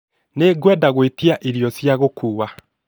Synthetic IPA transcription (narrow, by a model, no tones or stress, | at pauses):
neɡwɛdaɣwetiaʔiɾjɔsjaɣokʰuːwa